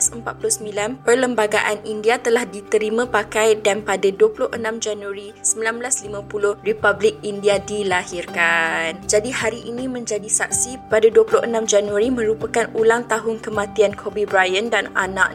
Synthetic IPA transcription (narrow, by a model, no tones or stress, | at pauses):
asəmpat̪̚pulʊhsəmbilanpərləmbaɡaʔanindiat̪əlahdit̪əɾimãpakajdanpadaduəpulʊhʔənãmd͡ʒanuaɾi | səmbilanblaslimãpulʊhripablɪk̚indiadilahirkand͡ʒadihaɾiʔinĩmə̃ɲd͡ʒadisak̚sipadaduəpulʊhʔənãmd͡ʒanuaɾimə̃ɾupəkanulaŋt̪aɦʊnkəmãt̪iankʰobibɾajəndana̰nã̰ʔ